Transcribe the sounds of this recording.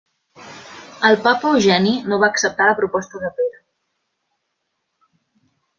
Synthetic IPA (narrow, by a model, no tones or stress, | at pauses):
əlˠpapəuwʒɛninoβaːksəp̚t̪aləpɾupɔst̪əðəpeɾə